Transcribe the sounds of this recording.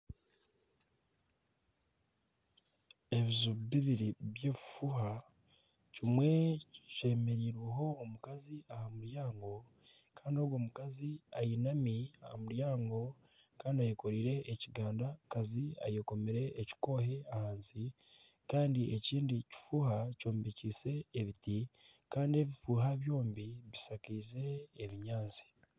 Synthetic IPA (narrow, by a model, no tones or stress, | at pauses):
e̞βizuβiβiɾiβje̞ːβifuha | cimwe̞ce̞ːme̞ɾiːɾweɦo̞ːmukaziahamuɾjaːŋɡo̞ | kaːndioɡwoːmukaziajinamiaha̰muɾjaːŋɡo̞ | kaːndiajeko̞ɾiɾe̞ʔeciɡaːndakazia̰jeko̞meɾe̞ʔːci̥ko̞he̞ahaːnsi | kaːndieciːndici̥fuːhaco̞ːmbeciːse̞ːβiti | kaːndie̞βifuːɦaβjo̞ːmbiβisakiːze̞ːβiɲaːnzi̥